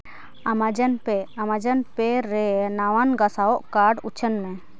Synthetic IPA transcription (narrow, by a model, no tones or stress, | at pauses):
amad͡ʒənpɛamad͡ʒənpɛɾɛnawanɡasaɔʔkaɖut͡ʃʰənmɛ